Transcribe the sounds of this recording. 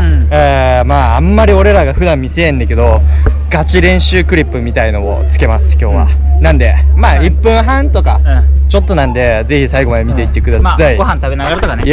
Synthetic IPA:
eːmaːmːaɾʲio̞ɾe̞ɾaɡaɸɯ̟d̪ãmːʲiseẽnd̪eke̞d̪o̞ɡ̥at͡ɕiɾẽ̞ɰ̃ɕɨːkɯ̟ɾʲipːɯ̟mʲit̪aino̞mo̰t͡sɨ̥ke̞masɨ̥kʲo̞ːβa̰nãnd̪e̞maːipːɯ̟̃ɰ̃ɦãnt̪o̞ka̰t͡ɕo̞t̪ːo̞nãnd̪e̞ze̞çisaiɡo̞mad̪e̞mʲit̪e̞it̪ːe̞kɯd̪asaiɡoɦãnt̪aβe̞naɡaɾat̪okane

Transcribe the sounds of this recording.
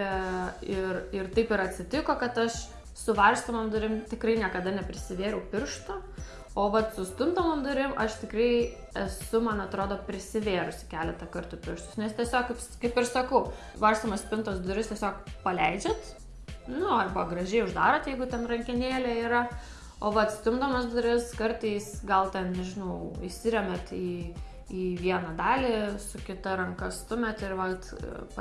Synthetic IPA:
ɪrɪrt̪ɐɪpɪɾɐt̪ʲsʲɪt̪ʲɪkoːkɐt̪ɐʃ | sʊʋɐrst̪omɐmd̪ʊɾʲɪmt̪ʲɪkrɐɪnʲiɛkɐd̪ɐnʲɛpʲɾʲɪsʲɪʋʲeːɾɛʊpʲɪrʃt̪ʊ | oːʋɐt̪sʊst̪ʊnt̪oːmɐmd̪ʊɾʲɪmʔɐʃt̪ʲɪkrɐɪ | ɛsʊmɐnɐt̪ɾoːd̪oːpʲɾʲɪsʲɪʋʲeːɾʊsʲɪ̥kʲæːlʲɛt̪ɐkɐrt̪ʊpʲɪrʃt̪ʊsnʲɛst̪ʲiɛsʲoːkkɐɪpskɐɪpɪrsɐkɐʊ | ʋɐrst̪ɐmɐsʲpʲɪnt̪osd̪d̪ʊɾʲɪst̪ʲiɛsʲoːkpɐlʲɛɪd͡ʒʲɛt̪ | nʊɐbɐɡrɐʒʲɛɪʊʒd̪ɑːɾoːt̪jɛɪɡʊt̪ʲɛnrɐŋʲkʲɪnʲeːlʲɛiːɾɐ | oːʋɐt̪sʲt̪ʲʊmd̪omɐsd̪ʊɾʲɪskɐrt̪ɐɪsɡɐlˠt̪ʲɛnnʲɛʒʲɪnɐʊɪsʲɪɾʲɛmʲɛt̪iː | iːʋʲiɛnɐd̪ɑːlʲiːsʊkʲɪt̪ɐɾɐŋkɐst̪ʊmʲɛt̪ɪɾʋɐt̪p

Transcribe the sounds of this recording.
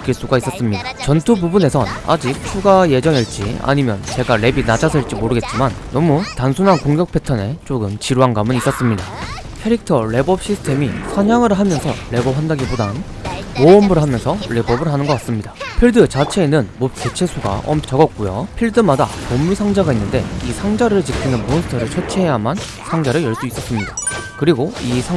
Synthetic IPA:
k͈ʰiɭs͈uɡais͈ʌs͈ɯmɲidat͡ɕʌntʰububune̞sʰʌna̰d͡ʑik̚s͈ʰuɡaje̞d͡ʑʌŋeɭt͡ɕ͈ḭa̰ɲimjʌ̰nt͡ɕe̞ɡaɾe̞binad͡ʑʰasʰɯiɭt͡ɕ͈imoɾɯɡe̞t̚t͡ɕ͈imanːʌmutansʰunɦankoŋɡjʌk̚pʰe̞tʰʌne̞t͡ɕ͈oɡɯmt͡ɕiɾuɦanɡamɯnis͈ʌs͈ɯmɲida | kʰeɾik̚tʰʌɭe̞bʌp̚ɕ͈ʰisʰɯ̥tʰe̞misʰaɲaŋɯɾɦamjʌnsʰʌɭe̞bʌp̚ɦandaɡibodaɯn | moʌmbɯɭɦamjʌnsʰʌɭe̞bʌbɯɭɦanɯnɡʌk͈ats͈ɯmɲidapʰiɭdɯt͡ɕat͡ɕʰe̞ːnɯnmop̚k͈e̞t͡ɕʰe̞sʰuɡa̰ʌmt͡ɕʌɡʌt̚k͈ujo̰pʰiɭdɯmada̰pomːusʰaŋd͡ʑaɡainːɯnde̞̰isʰaŋd͡ʑaɾɯɭt͡ɕik̚k͈ʰinɯnmonsʰɯ̥tʰʌɾɯɭt͡ɕʰʌt͡ɕʰeɦejaman | sʰaŋd͡ʑaɾɯɭjʌɭs͈uis͈ʌs͈ɯmɲidḁkɯɾiɡoisʰa

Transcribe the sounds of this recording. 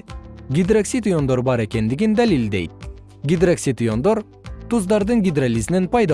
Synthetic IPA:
ɡʲid̪ɾaksit̪ujo̞nd̪o̞ɾbɑɾe̞kʲe̞nd̪iɡʲind̪ælild̪ejt̪̚ | ɡʲid̪ɾaksʲit̪ujo̞nd̪oɾ | t̪uzd̪ɑɾd̪ɯŋɡʲid̪ɾalʲizinenpɑjd̪ɑ

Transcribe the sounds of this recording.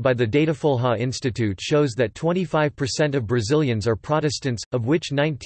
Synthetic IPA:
baɪðɨdeɪɾɨfɔlˠɦɑɪ̃nstɨtʰʉtʃoʊzðɨtʰw̥ɛ̃ɾ̃ifaɪv̥pʰə˞sɛ̃ntʌvbɹɨzɪlˠjɨ̃nzə˞pʰɹ̥ɑɾɨstɨ̃ntsʌvwɪt͡ʃnãɪ̃ntʰ

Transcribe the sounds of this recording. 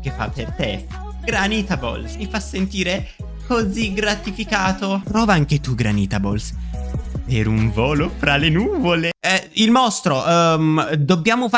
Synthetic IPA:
k̟efːa̰pːert̪e | ɡɾaniːt̪abo̰lsmifasːent̪iːɾe | koziɡɾat̪ifikaːt̪opɾɔːvaaŋk̟et̪uɡɾaniːt̪abols | peɾuɱvɔːlofɾalenuːvoleɛilmɔst̪ɾoʔ | d̪obːjaːmofa

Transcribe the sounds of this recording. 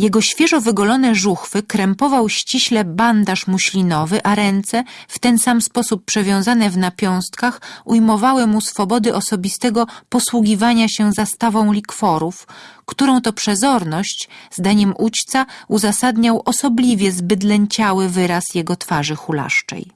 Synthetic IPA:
jɛɡɔɕfʲjɛʐɔvɘɡɔlɔnɛʐuxfɘkɾɛmpɔvawɕt͡ɕiɕlɛband̪aʂmuɕlʲinɔvɘʔaɾɛnt̪sɛft̪ɛnsamspɔsupːʂɛvʲjɔ̃w̃zanɛvnapʲjɔ̃w̃st̪kaxujmɔvawɘmusfɔbɔd̪ɘʔɔsɔbʲist̪ɛɡɔpɔswuɡʲivaɲaɕɛzast̪avɔ̃w̃lʲikfɔɾufkt̪uɾɔ̃w̃t̪ɔpʂɛzɔɾnɔɕt͡ɕzd̪aɲɛmʔut͡ɕt̪sauzasad̪ɲawʔɔsɔblʲivʲjɛzbɘd̪lɛɲt͡ɕawɘvɘɾasjɛɡɔt̪faʐɘxula̰ʂt͡ʂɛ̰j

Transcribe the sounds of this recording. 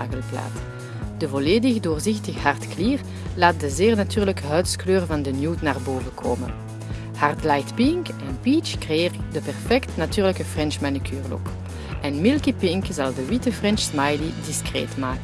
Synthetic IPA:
a̰ːɣəlpla̰ːt | d̥əvoleːdɪxdoːrzɪxtəxəɦartkliːr | laːt̚dəzeːrnatyːrləkəɦœɥtskløːrvɑndənjuːtnaːrboːvəkʰo̰ːmə̰n | hartlajtpɪŋkɛnpiːt͡ʃkreeːrdəpɛrfɛktnatyːʁləkəfrɛnʃmanikʰyːrlo̰k | ɛnmɪlˠkipɪŋkzɑlˠdəʋitəfrɛnʃsmajlidiskrḛːtmaːkə

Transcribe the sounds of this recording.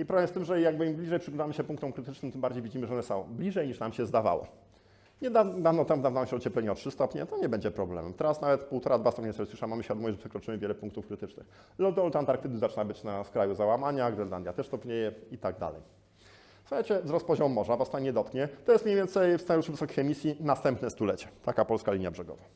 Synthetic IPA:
ipɾɔblɛmest̪ɘmʐɛjaɡ̚bɘimblʲiʐɛjpʂɨɡlɔnd̪amɘɕɛpuŋk̚t̪ɔmkɾɘt̪ɘt͡ʂnɘmt̪ɘmbaɾd͡ʑejvʲid͡ʑimɘʐɛɔnɛsɔ̰̃w̃blʲiʐɛjɲiʂnamɕɛzd̪ava̰wɔ̰ | ɲɛd̪ad̪avnɔt̪amvd̪avnamɕɛɔt͡ɕɛplɛɲɛɔtʂɘst̪ɔpɲɛ̰t̪ɔɲɛbɛɲd͡ʑɛpɾɔblɛ̰mɛ̰mt̪ɛɾasnavɛt̪puwt̪ɔɾad̪vast̪ɔpɲɛsɛswʂamamɘɕfʲad̪ɔmɔjiʐɛpʂɛkɾɔt͡ʂɘmɘvʲjɛlɛpũŋkt̪ufkɾɘt̪ɘt͡ʂnɘ̰x | lɔd̪ɔlt̪ant̪aɾk̚t̪ɘd̪ɘzat͡ʂɘnabɘt͡ɕnaskɾajuzawamaɲaɡɾɛla̰nd̪jat̪ɛʂst̪ɔpɲɛjɛit̪aɡ̚d̪a̰lɛ̰j | fsuxajt͡ɕɛvzɾɔs̚pɔʑɔmːɔʐavast̪aɲɛd̪ɔt̪kɲɛt̪ɔjɛst̪mɲejvʲjeɛnt̪sɛjfst̪aɲɛuʂɘvɘsɔkʲixɛmʲisʲjinast̪ɛmpnɛst̪ulɛt͡ɕɛ̥t̪akapɔlskalʲiɲjabʐɛɡɔ̰va

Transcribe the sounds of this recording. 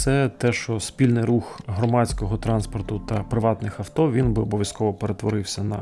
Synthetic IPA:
sɛt̪ɛʃt͡ʃɔspʲilʲnɪjɾuxɦɾɔmɑt͡sʲkɔɦɔt̪ɾɑnspɔrt̪ʊt̪ɐpɾɪʋɑt̪nɪxɐwt̪ɔʋʲinɔbɪɔbɔʋʲjɐskɔʋɔpeɾet̪ʋɔɾɪwsʲɐnɐ

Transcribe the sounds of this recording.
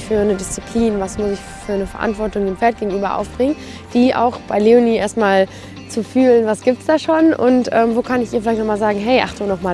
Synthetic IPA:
fyːɐnədɪst͡sipʰl̥iːnvasmʊsɪç | fyːɐnəfɛɐʔa̰ntv̥ɔɐtʊŋdeːnfɛɐt̚ɡ̥eːɡŋ̩ʔyːbɐʔa̰ʊfb̥ʁɪŋən | d̥iːʔa̰ʊxb̥aɪleoniːʔeːɐstmaːl | t͡sufyːlənvasɡ̥iːp̚tsd̥aːʃoːnʔʊ̰ntʔɛ̰ːmvoːkʰanɪçʔiːɐfɪlaɪçtnɔχmaːlzaːɡŋ̩ɦɛɪʔa̰χtuːnɔχmaː

